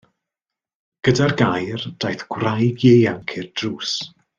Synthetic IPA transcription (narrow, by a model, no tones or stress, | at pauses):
ɡ̥ədarɡajrd̥ajθɡ̥wrajɡjeamkʰɪrd̥ruːs